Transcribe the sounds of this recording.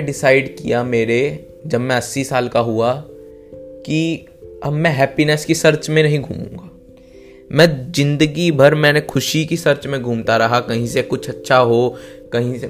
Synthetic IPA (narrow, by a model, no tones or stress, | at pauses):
ɖɪsaːɪɖkijameːɾe | d͡ʒɐbmɛ̃ɐsːisaːlkaɦua | ki | ɐbmɛ̃ɦɛːpinɛskisɐɾt͡ʃmẽnɐɦĩɡʱuːmṵ̃ːŋɡaː | mɛ̃ːzɪ̃nd̪əɡibʱɐɾmɛ̃ːnekʰʊʃikisɐɾt͡ʃmẽɡʱuːmt̪aɾɐɦakɐɦĩsekʊt͡ʃʰɐtːʃʰaɦokɐɦĩse